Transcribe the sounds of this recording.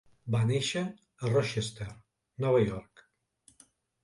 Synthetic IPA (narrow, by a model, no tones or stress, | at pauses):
baneʃə | ərɔʃest̪eɾ | nɔβəjɔɾk